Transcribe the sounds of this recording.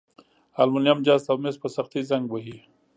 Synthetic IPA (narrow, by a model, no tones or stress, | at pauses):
almʊnjamd͡ʒaːst̪awmespəsaxt̪izaŋɡboɦi